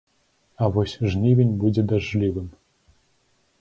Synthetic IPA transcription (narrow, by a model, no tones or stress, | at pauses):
avosʲʐnʲivʲenʲbud͡zʲɛd̪aʐlʲiʋɨm